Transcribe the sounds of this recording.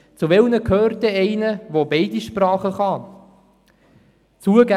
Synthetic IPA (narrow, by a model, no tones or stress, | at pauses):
t͡suʋelnəkʰøːrt̪əɛɪnəʋobɛɪdiʃprɑːχəχɑ | t͡suəɡæ